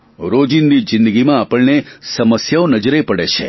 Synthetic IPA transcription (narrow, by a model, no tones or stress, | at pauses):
ɾod͡ʒind̪id͡ʒɪ̃nd̪əɡimãapəɭnesəməsjaonəd͡ʒəɾepəɽet͡ʃʰḛ